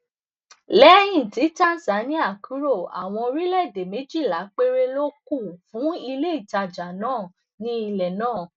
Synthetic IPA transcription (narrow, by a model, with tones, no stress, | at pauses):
lɛ˦jĩ˦˨ti˨˦tã˦n˦sa˨˦nĩ˦a˦˨ku˨˦ɾo˦˨a̰˨w̃ɔ̃˧o˧ɾi˦lɛ˦˨de˨me˨˦d͡ʒi˦˨la˨˦k͡pe˦ɾe˦lo˦ku˦˨fũ˨˦i˧le˦i˦˨ta˧d͡ʒa˨nãː˦˨ | nĩ˦i˧lɛ˨nãː˦˨